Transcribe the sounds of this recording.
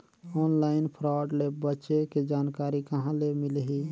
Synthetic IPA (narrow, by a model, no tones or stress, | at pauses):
ɔnlainpʰɾaɖlebətːʃeked͡ʒaːnkaɾikəɦãlemilɦi